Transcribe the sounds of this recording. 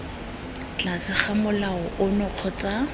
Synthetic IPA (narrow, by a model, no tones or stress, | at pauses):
t͡ɬʼasɪχamʊlaɔʔʊnɔq͡χʰɔt͡sa